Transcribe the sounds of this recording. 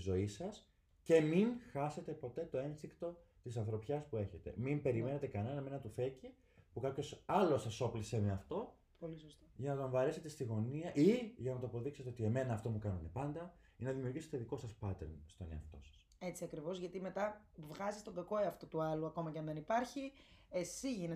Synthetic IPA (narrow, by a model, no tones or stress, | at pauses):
zo̞isɐs | ce̞minxɐse̞t̪e̞po̞t̪e̞t̪o̞e̞nsikt̪o̞t̪isɐnθɾo̞pçɐspue̞çe̞t̪e̞̰mimpe̞ɾime̞ne̞t̪e̞kɐne̞nɐme̞nɐt̪uθe̞ci | pukɐpço̞sɐlo̞sɐso̞pliseme̞ɐft̪o̞ | polisost̪oʝɐnɐt̪oɱvɐɾese̞t̪e̞st̪iɣo̞niɐʔiʝɐnɐt̪oɐpo̞ðikset̪e̞o̞t̪ie̞me̞nɐːft̪o̞mukɐnune̞pɐnd̪ɐ | inɐðimiuɾʝiset̪eðiko̞sɐspɐt̪eɾnst̪o̞ne̞ɐ̰ft̪o̞̰sɐ̥s | e̞t͡siɐkɾivo̞zʝɐt̪ime̞t̪ɐ | vɣɐzist̪onðɐko̞eɐft̪ot̪uɐluɐko̞mɐcɐnðenipɐɾçi | esiʝine